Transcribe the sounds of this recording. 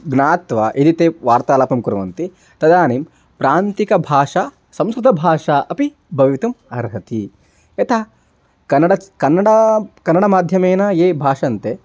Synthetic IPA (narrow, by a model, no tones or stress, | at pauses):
ɡnaːt̪ʋaʔid̪it̪eːʋaːɾt̪aːlɐːpɐmkuɾɐʋɐnt̪i | t̪ɐd̪aːniːm | pɾaːnt̪ikɐbʱaːʂɐ | sɐ̃mskɾut̪ɐbʱaːʂɐʔɐpi | bʱɐʋʋit̪ɐmɐɾɦɐt̪i | et̪ʰɐ | kɐnːɐɽɐkɐnːɐɽɐkɐnːɐɽɐmaːd̪ʱjɐmeːnɐeːbʱaːʂɐnt̪e